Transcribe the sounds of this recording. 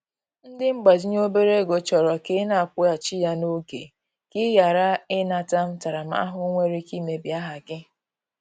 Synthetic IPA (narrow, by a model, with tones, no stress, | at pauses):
n̩˦dɪ˦ŋ͡m̩˦ɡ͡ba˨d͡ʒi˦ɲ˦o˦be˦ɾe˦˨ɡo˨t͡ʃɔ˨ɾɔ˨ke˦na˨kʷʊ˦a˨t͡ʃi˦ja˦no˦ɡḛ˨ | kɪ˦ja˨ɾa˦ɪ˦na˨ta˦m̩˦ta˨ɾa˨m˦a̰˦ɦʊ˦ŋʷe˦ɾi˦ki˦me˨bi˨a˦ɦa˨ɡɪ˦